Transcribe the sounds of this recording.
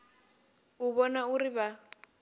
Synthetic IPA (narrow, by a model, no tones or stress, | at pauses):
uβɔnauriβa